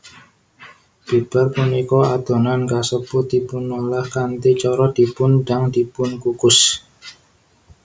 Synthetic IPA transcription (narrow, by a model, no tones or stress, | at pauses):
b̥i̤b̥a̤rpunikɔad̪̥o̤nankasəpʊt̪̚ipʊnːolahkant̪it͡ʃɔɾɔd̪̥i̤pʊnɖa̤ŋd̪̥i̤pʊnkukʊs